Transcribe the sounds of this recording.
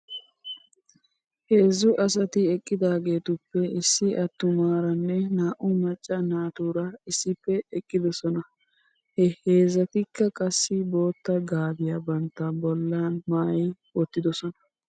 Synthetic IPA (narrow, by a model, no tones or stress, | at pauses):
he̞ːzːʊʔɐs̬ɐt̪ɪɛkʼːɪd̪aːɡe̞ːt̪ʊpːɛɪsːɪʔɐt̪ːʊmaːɾɐnːɛnaːʔʊmɐt͡ʃʼːɐnaːt̪uːɾɐɪsːɪpːɛɛkʼːɪd̪ɔsɔnɐ | hɛhe̞ːzːɐt̪ɪkːɐkʼɐsːɪbo̞ːt̪ːɐɡaːbɪjabɐnt̪ːɐbɔlːaːnmaːjɪ | wɔt̪ːɪd̪ɔsɔnɐ̥